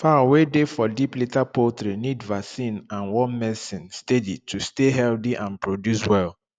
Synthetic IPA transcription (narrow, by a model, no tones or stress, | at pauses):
fawedefɔdiplitapoltɾinidvasĩnãnwɔnmɛsĩnstedḭtʰusteɦɛldiʔãnpʰɹodjuswɛl